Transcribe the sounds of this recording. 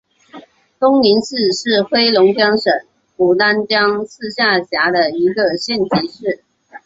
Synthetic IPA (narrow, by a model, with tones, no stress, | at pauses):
t̪ʊ˥ŋni˧˥nʂɻ̩˥˧ʂɻ̩˥˩xwe˥ɪlʊ˧˥ŋt͡ɕjɑ˥ŋʂə˨˩˦ŋ | pu˨˩t̪a˥nt͡ɕjɑ˥ŋsʰɹ̩˥˧ɕja˥˩ɕja˧˥d̪ə˨i˧˥ɡə˨ɕjɛ˥˩nt͡ɕʰi˧˥ʂɻ̩˥˩